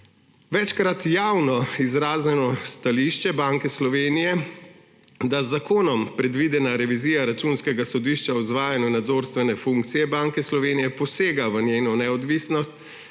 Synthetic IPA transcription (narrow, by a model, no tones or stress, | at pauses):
ʋɛt͡ʃkɾat̪jawnɔizɾaːznɛnɔst̪aliʃt͡ʃɛbaŋkɛslɔʋeːnijɛ | d̪azːakoːnɔmpɾɛd̪ʋiːd̪ɛnaɾɛʋiziːjaɾat͡ʃuːnskɛɡasɔd̪iʃt͡ʃaɔzʋaːjanjunad̪zoːɾst̪ʋɛnɛfuŋkt̪sijɛbaŋkɛslɔʋeːnijɛpɔseːɡaʋənjeːnɔnɛɔd̪ʋisnɔst̪